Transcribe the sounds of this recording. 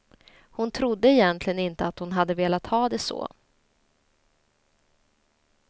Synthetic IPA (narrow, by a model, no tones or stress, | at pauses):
hʊnt̪ʰɾʊd̪ːəɛjɛnt̪ʰlɪɡənɪnt̪əat̪hʊnɦad̪ːəveːlat̪hɑːd̪ɛsɔ̰ː